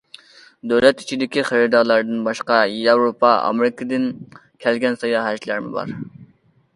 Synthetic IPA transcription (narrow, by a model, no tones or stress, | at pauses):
d̪øwlɛt̪i̥t͡ʃʰid̪ɪkʲiχəɾɨd̪ɑɾlˠɑɾd̪ɨnbɑʃqɑjɑwɾopɑɑ̰mɪɾɪkʰɨd̪ɪn | kʲʰɛlɡʲɛnsɑjɑɦæʃlæɾmɪbɑ̰ɾ